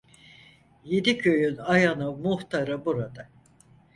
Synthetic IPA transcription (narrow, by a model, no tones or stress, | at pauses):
jed̪ikʰøjynajanɯmuht̪ʰaɾɯbuɾad̪a